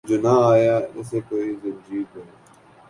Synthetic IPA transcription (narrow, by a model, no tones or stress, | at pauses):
d͡ʒoːnaaːjaːɪsekoːizɪbd͡ʒiːkɐ